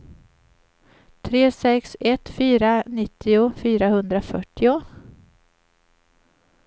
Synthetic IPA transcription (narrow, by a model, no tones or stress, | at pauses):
t̪ʰɾeːsɛksɛt̪fyːɾanɪt̪ːɪʊfyːɾahɵnd̪ɾafœʈːɪʊ